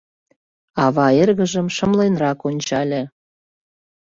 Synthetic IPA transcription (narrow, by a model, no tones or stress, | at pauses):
ɑβɑerɣə̆ʒəmʃə̆mlenrɑkonʲt͡ɕɑlʲĕ